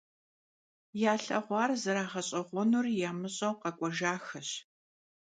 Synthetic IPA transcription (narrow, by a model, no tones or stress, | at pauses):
jaːɬɐ̰ʁʷɑːrzɐɾaːʁɐɕʼɐʁʷɔnurjaːmɨɕʼɐwqɐkʷʼɔʒaːxɐɕ